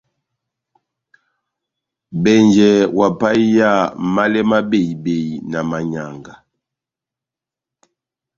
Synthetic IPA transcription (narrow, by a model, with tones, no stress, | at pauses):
bɛ˨nd͡ʒɛ˨wa˨pa˦ja˦˨ma˦lɛ˦ma˦be˦˨i˨be˨jna˨ma˨ɲa˨ŋɡa˨